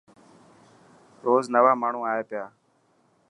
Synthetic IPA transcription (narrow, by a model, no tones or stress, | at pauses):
ɾoːznəʋaːmaːɳ̤ũːaːeːpɪjaː